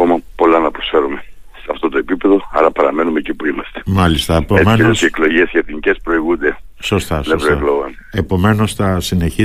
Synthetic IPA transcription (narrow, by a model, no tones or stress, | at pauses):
omɐpo̞lɐnɐpɾo̞sfe̞ɾume̞seɐft̪o̞t̪oe̞pipe̞ðo̞ɐ̰ɾɐpɐɾɐme̞numecipuimɐst̪e̥mɐlist̪ɐepoemenelosieklo̞ʝesceeθinice̞spɾo̞iɣund̪e̞ | so̞st̪ɐsnesɾoekloɣɐn | e̞po̞me̞no̞sθɐsine̞çi